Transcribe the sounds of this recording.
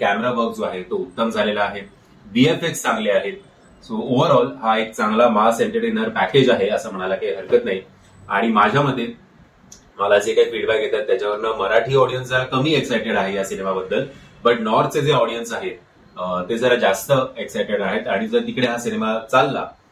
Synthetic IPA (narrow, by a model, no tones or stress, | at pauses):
kæmeɾabəɾkd͡zoaɦet̪out̪ːəmd͡zʱalelaːɦe | biefekst͡sãŋɡleaɦet̪ | sooʋəɾɔlɦaek̚t͡sãŋɡlamaseɳʈeʈenəɾpæked͡ʑaɦeəsəːm̤əɽ̃alakaiɦəɾkət̪nai | a̰ɽ̃imad͡ʑʱjaməd̪ʱːje | məlad͡zekaɦikiɽʋaɡʱet̪at̪ːjat͡ɕaʋəɾnaməɾaʈʰiːɔɽijənsd͡zəɾakəmiːeksajʈeɽaɦeɦjasinemabəd̪ʱːəlbəʈnɔɾt̪t͡sed͡zeɔɽijənsaɦe | t̪ed͡zəɾad͡zast̪əeksajʈeɽaɦet̪aɽ̃id͡zəɾt̪ikɽeɦasinemat͡salːa̰